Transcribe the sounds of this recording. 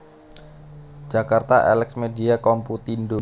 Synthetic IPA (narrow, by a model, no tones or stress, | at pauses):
d͡ʒakart̪aʔɛ̰lɛksmediakɔmput̪indo